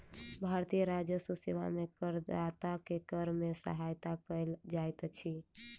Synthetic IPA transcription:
bʱaɾt̪ijəɾad͡ʒjəsusiʋa̰mekəɾd̪at̪akekəɾmesə̰ɦajt̪akəjld͡ʒajt̪t͡ʃʰi

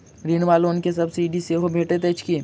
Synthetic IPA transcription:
ɾiːnʋaːloːnkes̬ɐbsiːɖiseɦobʱeːʈet̪et͡ʃki

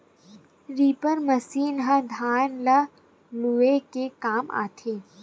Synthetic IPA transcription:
ɾiːpəɾmɐsiːnɦɐd̪ʱaːnlɐ | luekekaːma̰ːt̪ʰeː

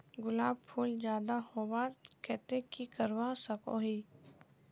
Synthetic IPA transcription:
ɡʊlaːbpʰuːld͡ʒjaːd̪ahoːwaːɾkɛːt̪ekikəɾwasəko̰ɦi

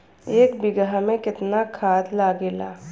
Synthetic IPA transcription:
eːkbɪɡamẽkɪt̪nakʰaːd̪laːɡeːla̰ː

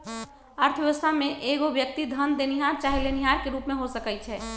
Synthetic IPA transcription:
əɾt̪ʰəʋjeʋəst̪ʰamẽʔeɡobjək̚t̪id̪ʱənd̪eniɦaɾt͡ʃaɦeleniɦaɾkeɾuːpmẽɦosəkɛt͡ʃʰɛ

